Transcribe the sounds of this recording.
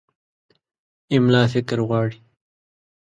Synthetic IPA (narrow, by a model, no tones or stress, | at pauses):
ɪmlɑːfɪkɾɣwɑːɽi